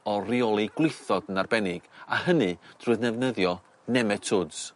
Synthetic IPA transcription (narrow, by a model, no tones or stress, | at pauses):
ɔriɔlˠiɡ̥wɪjθɔdənarbɛnɪɡ̥a̰hənɨd̥rʊɨðnɛvnəðjɔ | nɛmɛtʰʊdz̥